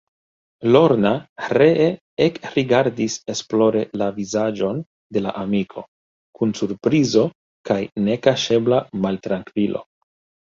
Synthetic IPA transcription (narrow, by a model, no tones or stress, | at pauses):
lo̞ɾnaɾee | ekɾiɡaɾdise̞splo̞ɾe̞lavizad͡ʒo̞n | de̞la̰ʔamikʰo̞̰ | kunsuɾpɾizo̞ | kajne̞kaʃe̞blamaltɾaŋkvilʔo̞̰